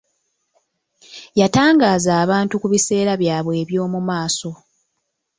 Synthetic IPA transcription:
jataːŋɡaːzaːβaːntukuβise̞ːɾaβjaːβwe̞ːβjo̞ːmumaːso̞

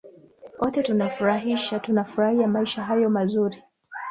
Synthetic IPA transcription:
ʔɔtɛtunafuɾaɦiʃatunafuɾahiamaiʃaɦajɔmazuɾi

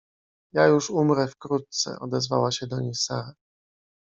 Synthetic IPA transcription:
jajuʂumɾɛfkɾut̪̚t̪sɛ̰ʔɔd̪ɛzvawaɕɛd̪ɔɲejsaɾa

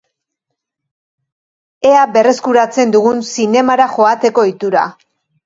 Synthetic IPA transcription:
e̞abe̞re̞skuɾat͡se̞nd̪uɣunsine̞maɾaxo̞at̪e̞ko̞it̪uɾa̰

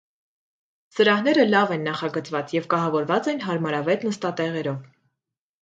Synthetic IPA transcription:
səɾɑhnɛɾəlɑvɛnːɑχɑɡət͡svɑt͡sjɛvkɑɦɑvɔɾvɑt͡sɛnɦɑɾmɑɾɑvɛt̪nəst̪ɑt̪ɛʁɛɾɔv

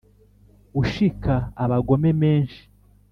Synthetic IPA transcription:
uʃikaːβaɡo̞me̞me̞ːnʃi̥

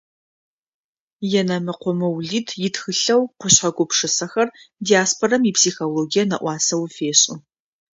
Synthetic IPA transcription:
jɛnɐmɨqʷɔmɨwɮiːtʰjɪtxɨɬɐwqʷʊɕħɐɡʷʊpʂɨsɐxɐrdiaːspʰorɐmipʰsiːxoloːɡijɐnɐ̰ʔʷɑːsɐwfeːɕʼɪ

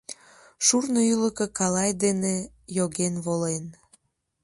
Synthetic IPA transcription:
ʃurnoyləkəkɑlɑjd̪ene | joɣenβolen

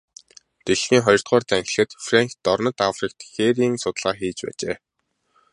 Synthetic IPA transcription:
t̪eɮniːχɔjɞ̆r̥t̪χɔːrt̪æŋxʲɪ̆ɮxɘ̆t̪fraŋxt̪ːɔrnə̆t̪afrik̚t̪xeɾiːŋsʊt̪ɮʁaːxiːt͡ɕpæ̰ːt͡ɕḛː

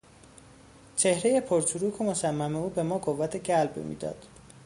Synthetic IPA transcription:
t͡ʃʰe̞hɾe̞je̞pʰoɾt͡ʃʰuɾuːkʰo̞mosæmːæme̞uːbe̞mɒːɡovæt̪ʰeɟælbmḭːd̪ɒ̰ːd̪̥

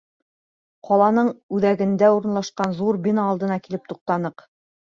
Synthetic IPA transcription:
qɒlˠɑnɤɴʉðæɡɘ̆nd̪æuɾɤ̆nlˠɑʃqɑnðuɾbʲinɑːlˠd̪ɤ̆nɑkilɘp̚t̪uq̚t̪ɑnɤq

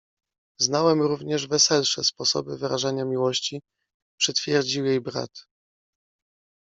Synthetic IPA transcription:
znawɛmɾuvɲɛʐvɛsɛlʂɛspɔsɔ̰bɘvɘɾaʐaɲamʲiwɔɕt͡ɕi | pʂɛt̪fʲjɛɾd͡ʑiwjejbɾa̰t̪

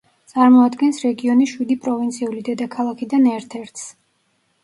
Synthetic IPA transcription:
t̪sʼaɾmɔad̪ɡɛnsɾɛɡiɔniʃwid̪ipʼɾɔvint̪sʰiulid̪ɛd̪akʰalˠakʰid̪anɛɾt̪ʰɛɾt̪ʰs

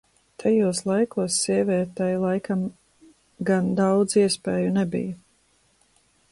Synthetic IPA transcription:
t̪ʰajuɔslˠajkuɔsːiɛvʲiɛt̪ɛjlˠajkam | ɡand̪awd̪ziɛspeːjunɛbḭj

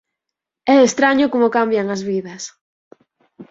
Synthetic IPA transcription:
ɛest̪ɾaɲʊkomʊkambjaŋazβiðɐs

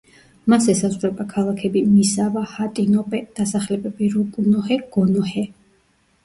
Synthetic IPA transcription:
masɛsazvlɛbakʰalˠakʰɛbimisavahat̪ʼinɔpʼɛd̪̥asaχlɛbɛbiɾukʼunɔhɛɡ̥ɔnɔhɛ

